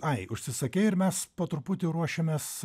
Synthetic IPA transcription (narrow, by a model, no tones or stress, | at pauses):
ɐɪʊʃʲsʲɪsɐkʲɛɪɪɾmʲɛspɐt̪ɾʊpʊt̪ʲɪɾuɔʃʲemʲeːs